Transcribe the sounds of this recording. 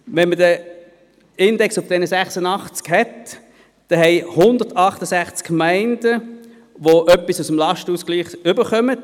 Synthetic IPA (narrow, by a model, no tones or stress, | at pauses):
ʋɛnmədə | ɪndɛksʊfd̥ɛnəsæχsənɑχt͡skhɛt | d̥ɛhɛɪhʊnd̪ətɑχtəsæχt͡skmæɪnd̥ə | ʋoʔœpːisusəmlɑʃtəuːskliːχʏbəχœmət